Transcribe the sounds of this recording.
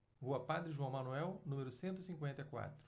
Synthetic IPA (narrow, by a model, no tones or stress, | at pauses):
voɐpad̪ɾɪʒuɐ̃w̃mɐnuɛwnũmeɾʊsẽnt̪ʊisĩŋkwẽnt̪ɐjkwa̰t̪ɾʊ̥